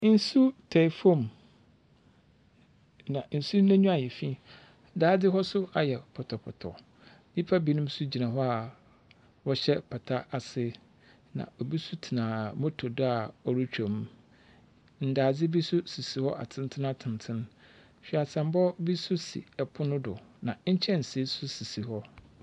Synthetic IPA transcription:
n̩˦su˦tʰɛ˨fõ˦˨m | nã˨n̩˨su˦næ̃˦ɲũ˦a˨jɛ˨fĩ˦˨˦ | daː˦d͡zɪ˦ɦɔ˦sʊ˦a˨jɛ˨pʰɔ˨tʰɔ˨pʰɔ̰˨tʰɔ̰˨ | di˦pʰa˦bi˨˦nʊ̃˦m˦su˦d͡ʑi˨nã˨ɦɔ˦a˨ | wɔ˦ɕɛ˦pʰa˨tʰa˦a˨sɪ˦ | nã̰˨o˨bi˦su˦tʰi˨nãː˨mõ˦tʰo˨dʊ˦a˨ɔ˨ɾu˦t͡ɕᶣõ˨m˦ | n̩˨daː˨d͡zɪ˦bi˦sʊ˦si˨si˨hɔ˦ʔa̰˨tʰɪ̃˦ntʰɪ˦nã˦tʰɪ̃˨n˨tʰɪ̃˦n | ɕᶣi˦a˨sʰã˨m˦bɔ˦bi˦sʊ˦sḭ˨ɛ˨pʰʊ˦nʊ̃˦dʊ˨nã˨ɲ̩˦t͡ɕʰɛ˦n̩˨si˦sʊ˦si˨si˨hɔ˦

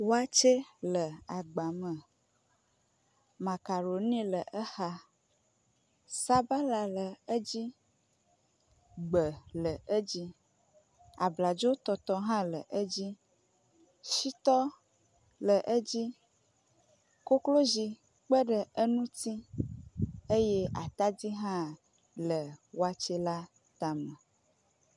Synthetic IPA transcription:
wo˦a˦t͡ʃe˦lə˨a˨ɡ͡ba˨mə̃˨ | mã˨ka˨ɾo˨nĩ˦lə˨ʔə˦xa˦ | sa˦ba˦la˨lə˨ə˦d͡ʑi˦ | ɡ͡bə˨lə˨ə˦d͡ʑi˦ | a˨bla˨d͡ʒo˦t̪ɔ˨t̪ɔ˦ɦã˦lə˨ʔə˦d͡ʑi˦ | ʃi˦t̪ɔ˦ | lə˨ʔə˦d͡ʑi˦ | ko˦klo˦zi˨ | k͡pə˦ɖə˨ə˦nũ˦t̪i˦ | e˦je˦a˨t̪a˦di˦ɦã˦˨ | lə˨wo˦a˦t͡ʃɛ˦la˦ | t̪a˨mə̃˨

